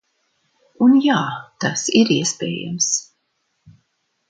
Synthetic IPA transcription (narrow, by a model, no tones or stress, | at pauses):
unjaːt̪asiɾiɛspɛ̰ːja̰ms